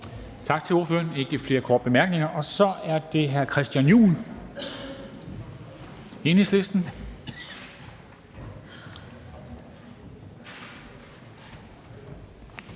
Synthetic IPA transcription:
t͡sʰɑ̈ɡ̥̚t͡sʰe̝lo̝ɐføːɐne̝ɡ̥ɡ̥ifle̝ːɐkʰɒːd̥̚b̥e̝mæɐɡ̥ne̝ŋɐʔɒ̽sɒ̽ʔæɐd̥e̝ɦæɐkʰʁɛsd̥jænjṵːn | e̝ːne̝ŋsle̝sd̥n̩

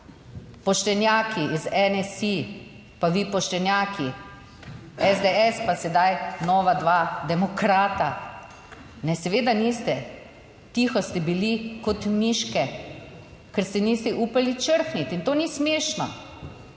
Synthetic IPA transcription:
pɔʃt̪ɛnjaːkʰiʔizɛnɛsi | paʋipɔʃt̪ɛnjaːkʰi | ɛzd̪eɛspasɛd̪ajnɔːʋad̪ʋaːd̪ɛmɔkɾaːt̪a | nɛsɛʋeːd̪aniːst̪ɛ | t̪ixɔst̪ɛbilikɔt̪miʃkɛ | kɛɾst̪ɛniːst̪ɛʔuːpalit͡ʃəɾxnit̪int̪oːnismeːʃnɔ̰

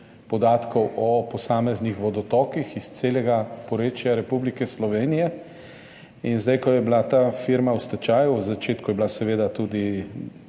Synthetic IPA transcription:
pɔd̪aːt̪kɔwʔɔpɔsaːmɛznixʋɔd̪ɔt̪ɔːkixist̪seːlɛɡapɔɾeːt͡ʃjaɾɛpublikɛslɔʋeːnijɛ | inzd̪ajkɔjɛblat̪aːfiɾmawst̪at͡ʃaːjuzat͡ʃeːt̪kujɛblasɛʋeːd̪at̪ud̪i

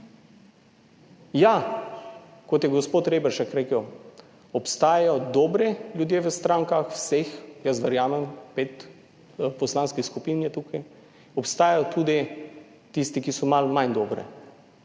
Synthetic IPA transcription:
ja | kɔt̪jɛɡɔspoːt̪ɾeːbɛɾʃakɾekəw | ɔpst̪aːjajɔd̪ɔːbɾɛljud̪jeːʋəst̪ɾãŋkaxwsexjəsʋɛɾjaːmɛmpet̪ | pɔslaːnskiskupinjɛt̪ukaj | ɔpst̪aːjajɔt̪ʰuːd̪i | t̪ist̪ikisɔmalmajnd̪ɔːbɾɛ̰

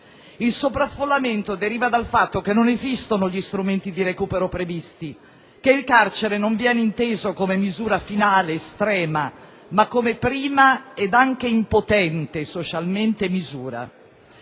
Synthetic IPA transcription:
ilsopɾafːolːament̪od̪eɾiːvad̪alfat̪ːok̟enːonezist̪onoʎist̪ɾument̪id̪iɾekuːpeɾopɾevist̪i | keilkart͡ʃeɾenoɱvjɛːneint̪eːzokomemizuːɾafinaːleːst̪ɾɛːma | makːomepɾiːmaɛd̪aŋk̟eimpot̪ɛnt̪esot͡ʃalment̪emizuːɾa̰

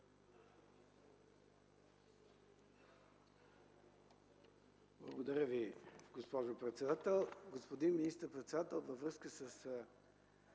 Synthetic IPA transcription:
blˠə̰ɡod̪ɐɾʲəviɡospɔʒopɾɛt̪sɛd̪at̪ɛlˠɡospod̪inminist̪əɾpɾɛt̪sɛd̪at̪ɛlˠvəvɾəskəsəs

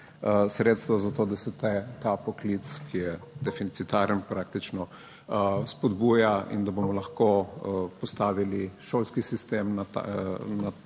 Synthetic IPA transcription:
sɾet̪st̪ʋazat̪od̪asɛt̪ɛt̪apɔklit̪skijɛd̪ɛfinit̪sit̪aɾənpɾak̚t̪it͡ʃnɔ | spɔd̪buːjaḭnd̪abomɔlɐxkopɔst̪aːʋiliʃolskisist̪emnaa̰na

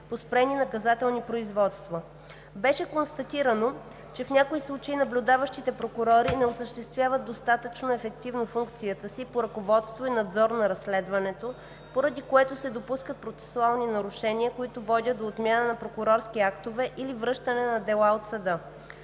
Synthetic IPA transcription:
pospɾɛninɐkɐzat̪ɛlˠnipɾoizvɔt̪st̪vo | bɛʃɛkonst̪ɐt̪iɾəno | t͡ʃɛfnʲakoislˠut͡ʃəinɐblʲʊd̪avəʃt̪it̪ɛpɾokʊɾɔɾinɛosəʃt̪ɛst̪vʲjavəd̪d̪ost̪at̪ət͡ʃnoɛfɛk̚t̪ivnofuŋkt̪sijət̪əsipoɾɐkovɔt̪st̪voinɐd̪zɔɾnɐɾɐsːlɛd̪vɐnɛt̪o | poɾɐd̪ikoɛt̪osɛd̪opuskət̪̚pɾot̪sɛ̥sualˠninɐɾʊʃɛniəkoit̪ovɔd̪ʲət̪d̪oːt̪mʲjanənɐpɾokʊɾɔɾsk̟iakt̪ovɛʔilivɾɤʃt̪ənɛnɐd̪ɛlˠaot̪sɐd̪ɤ

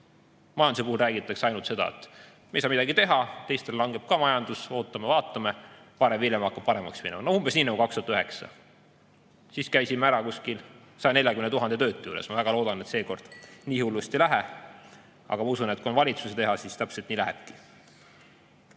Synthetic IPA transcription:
mɑjɑnusepuhulræːɡit̪ːˑɑkseɑjnult̪se̞d̪ɑ̰ḛt̪ | mejsɑːmid̪ɑɡit̪e̞ɦɑt̪e̞jst̪e̞llɑŋɡe̞b̥̚kɑmɑjɑnd̪̥uso̞ːt̪ːˑɑmevɑːt̪ːˑɑme | pɑɾemvilʲjemɑɑkːˑɑb̥̚pɑɾe̞mɑ̰ksminɛmɑnoumbe̞sniːnɑɡukɑkst̪u̥ɑt̪ːyɦe̞ksɑ̰ | siskæjsimeæɾɑkuskil | sɑjne̞lʲjɑkymenet̪uɦɑnd̪e̞t̪ø̞ːt̪ːˑjuːɾesmɑvæɡɑlo̞ːd̪̥ɑne̞t̪se̞ːko̞rd̪̥niːhulːust̪elæɦe | ɑ̰ɡ̥ɑmɑusune̞t̪̚kuonvɑlʲit̪suset̪e̞ɦɑsist̪æpselt̪niːlæɦḛb̥̚ki̥

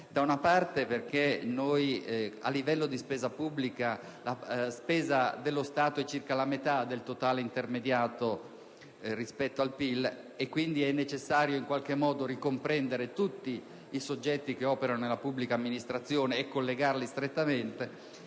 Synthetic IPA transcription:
d̪aunapart̪eperk̟enoja̰lːivɛlːod̪ispeːzapubːlika | laspeːzad̪elːost̪aːt̪oɛt͡ʃirkalamet̪ad̪ːelt̪ot̪aːleint̪ermed̪jaːt̪o | rispɛt̪ːoalpil | ekːwind̪iɛnːet͡ʃesːaːɾjoiŋkwalk̟emːɔːd̪oɾikompɾɛnd̪eɾet̪ut̪ːiː | sod͡ʒːɛt̪ːik̟eɔːpeɾanonelapubːlikaːmːinist̪ɾat̪sːjoːneːkːolːeɡarlist̪ɾet̪ːament̪e

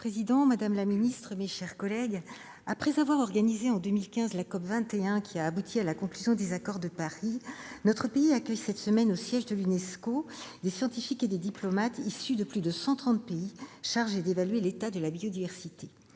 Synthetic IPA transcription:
pχezid̪ɑ̃mad̪amlaminist̪χəmeʃɛʁkɔlɛɡ | apχɛzavwaʁɔʁɡanizeɑ̃d̪ømilkʲɛ̃zlakɔpvɛ̃t̪eɛ̃kʲʰiaːbut̪ʰialakɔ̃klyzjɔ̃d̪ezakɔʁd̪əpaʁinɔt̪χəpeiakʲœjsɛt̪səmɛnosjɛʒd̪əlynɛskod̪esjɑ̃t̪ifiked̪ed̪iplɔmat̪isyd̪əplyd̪əsɑ̃t̪χɑ̃t̪̚peiʃaʁʒed̪evalɥelet̪ad̪əlabiod̪ivɛʁsit̪e

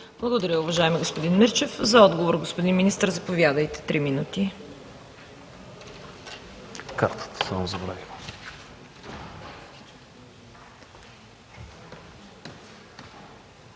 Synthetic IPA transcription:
b̥lˠɐɡod̪ɐɾʲəʊvɐʒaɛmiɡospod̪inmɛɾt͡ʃɛfzɐɔd̪ɡovoɾɡospod̪inminist̪əɾzɐpovʲjad̪əjt̪ɛ̥t̪ɾiminut̪i | kaɾt̪ə̥t̪ə̥səmzɐbɾa̰vʲilˠə

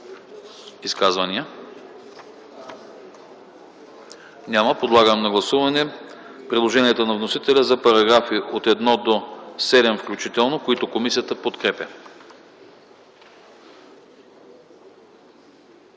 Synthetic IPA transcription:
iskazvɐniə | nʲaməpod̪lˠaɡəmnɐɡlˠɐsuvɐnɛ | pɾid̪lˠoʒɛniɛt̪onɐvnosit̪ɛlʲəzɐpɐɾɐɡɾafiʔot̪ɛd̪nɔd̪osɛd̪ɛmfklʲut͡ʃit̪ɛlˠnokoit̪okomisijət̪əpot̪kɾɛpʲə

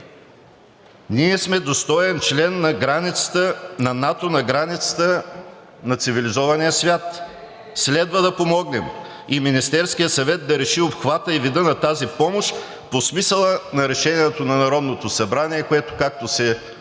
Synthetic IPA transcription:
niɛsmɛd̪ost̪ɔɛnt͡ʃlɛnːɐɡɾanit̪sə̥t̪ənɐnat̪onɐɡɾanit̪sə̥t̪ə | nɐt̪sivilizɔvɐniəsvʲjat̪ | slɛd̪vəd̪ɐpomɔɡnɛm | iminist̪ɛɾsk̟ijət̪sɐvɛt̪̚d̪ɐɾɛʃiopxvat̪əivid̪ənɐt̪azipɔmoʃ | posmisəlˠənɐɾɛʃɛniɛt̪onɐnɐɾɔd̪not̪osɐbɾaniɛkoɛt̪o̥kak̚t̪osɛ

